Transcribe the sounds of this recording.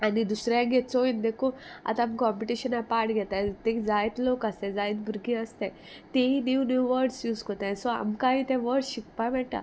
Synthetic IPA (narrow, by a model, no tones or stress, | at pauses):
anid̪usɾaãɡɛt͡sojind̪ekua̰t̪aamkɔmpiʈiɕənapaɾʈɡʱɛt̪at̪ed͡zajt̪lokast̪ed͡zajit̪̚bʱuɾɡĩəst̪e | t̪einjuwnjuːʋəɾɖsjuːskot̪ãsɔa̰mkaɦĩt̪ɛʋəɾɖɕikpamɛʈa̰